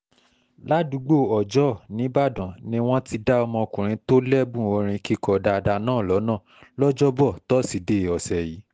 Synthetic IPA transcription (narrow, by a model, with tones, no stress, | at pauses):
la˦du˨˦ɡ͡bo˦˨ɔ˨d͡ʒɔ˦˨nĩ˨˦ba˦˨dã˨nĩ˦w̃ɔ̃˦ti˧da˦ɔ˧mɔ̃˧o˧kũ˨ɾ̃ĩ˨˦to˦lɛ˦bũ˦˨o˧ɾ̃ĩ˧ki˦kɔ˧da˧da˧nãː˦˨lɔ˨˦nã˦˨ | lɔ˦d͡ʒɔ˦bɔ˦˨tɔ˦si˨de˦˨ɔ˨sɛ˨ji˨˦